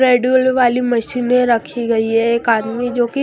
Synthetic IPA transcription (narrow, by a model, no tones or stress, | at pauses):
ɾeːɖjulʋaːlimɐʃiːnɦẽɾɐkʰiɡɐiɦɛeːkaːd̪mid͡ʒoːki